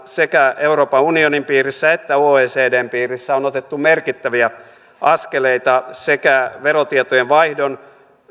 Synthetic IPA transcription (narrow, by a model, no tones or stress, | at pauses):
sekæeuro̞ːpɑunionimpiːrisːæet̪ːæoːeːseːdeːmpiːrisːæonot̪et̪ːumerkit̪ːæʋiæ | ɑskeleit̪ɑsekæʋeɾot̪iet̪ojeʋʋɑihdon